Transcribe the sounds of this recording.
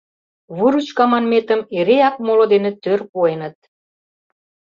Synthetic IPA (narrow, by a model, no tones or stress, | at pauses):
βuɾut͡ɕkɑmɑnmet̪ə̆meɾeɑk̚molod̪enĕt̪ørpuenət̪̚